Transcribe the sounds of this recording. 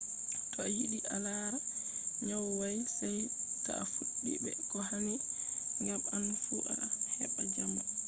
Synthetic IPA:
tɔahiɗiʔalaːɾaɲawwajsajka̰afuɗːḭbɛ̰kɔɦaniŋɡamanfuʔahɛ̰ɓad͡ʒama

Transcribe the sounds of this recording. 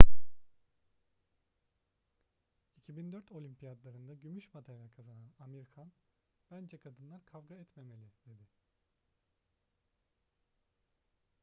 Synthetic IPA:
icʰibind̪øɾt̪ʰo̞lʲympʰijad̪lˠaɾɯnd̪aɟymyʃmad̪ʰanakʰazananameɾikʰan | b̥ænd͡ʒɛkʰad̪ɯnlˠaɾkʰavɡaɛt̪me̞me̞lʲid̪̥e̞d̪ɪ

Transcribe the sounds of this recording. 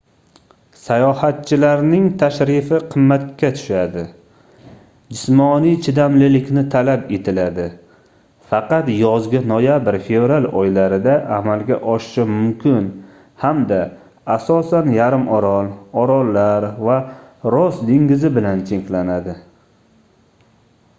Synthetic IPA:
sajɒhat̪̚t͡ʃʰɪlaɾnɪŋt̪ʰaʃɾɪfɪqʰɨmːat̪̚kʲat̪ʰʊ̥ʃad̪ɪ | d͡ʒɪsmɒnijt͡ʃʰɪd̪amlɪlɪkʲnɪt̪ʰalape̞t̪ʰɪlad̪ɪ | fɑqɑt̪jɒzɡʲɪnojabɪɾfe̞vɾalɒjlaɾɪd̪aʔamalɡʲa̰ʔɒʃɪʃɪmʊmkʲʰɪn | hamd̪aː | sɒsanjaɾɪmʔɒɾɒlˠɒɾɒlːaɾvaɾosd̪ɪŋɡʲɪzɪbɪlant͡ʃʰeŋkʲlanad̪ɪ

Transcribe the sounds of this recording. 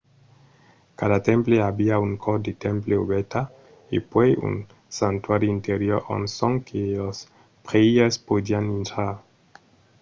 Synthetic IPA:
kadat̪empleabiauŋkʰɔd̪et̪empleobet̪a | epejṵn | sant̪uaɾiint̪eɾioɾo̰nsɔŋkʰelos | pʁeiespodianint̪ɾaɾ

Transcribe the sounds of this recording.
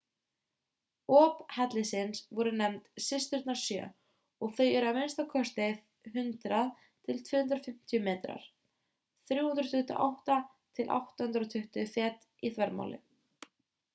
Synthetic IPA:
ɔːphɛt̪lɪsɪnsvɔɾʏnɛmt̪sɪst̪ʏɾt̪naɾ̥sjœ̰ː | ɔɣθœjɛɾʏavmɪnst̪akʰɔst̪ɪ | ɦʏnt̪ɾað | t̪ʰɪlt̪ʰvʏːhʏnt̪ɾɔfɪm̥t̪ʰijʏmeːt̪ɾa̰ɾ̥ | θɾjuːhund̪ɾt̪ʰʏht̪ʏ̰ʔa̰wht̪a | t̪ʰɪlʔa̰wht̪ahʏnɾɔt̪ʰʏht̪ʏθjɛt̪ | iθvɛɾma̰ːwlɪ̰

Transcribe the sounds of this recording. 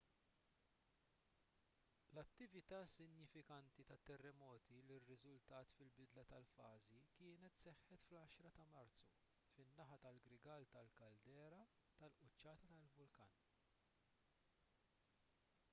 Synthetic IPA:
lɐt̪ːɪvɪt̪ɐːsɪnjɪfɪkɐnt̪it̪ɐt̪ːɛrːɛmɔːt̪ilɪrːɪzʊlt̪ɐːt̪fɪlbɪd̪lɐt̪ɐlfɐːzikɪːnɛt̪sɛħːɛt̪flɐʃɾɐt̪ɐmɐɾt̪t͡su | fɪnːɐħɐt̪ɐlɡɾɪɡɐlt̪ɐlkɐld̪ɛːɾɐ | t̪ɐlʔʊt͡ʃːɐːt̪ɐt̪ɐlvʊlkɐːn

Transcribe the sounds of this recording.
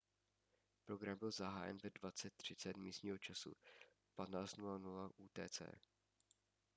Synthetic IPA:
pɾo̞ɡɾambɪlzaɦaːjɛ̰nvɛdvat͡sɛt̪̚ːr̝̥ɪt͡sɛt̪miːst̪ɲiːɦo̞t͡ʃasṵ | pat̪naːt͡st̪nulanulaʔuːt̪ɛ̰ːt͡sɛ̰ː

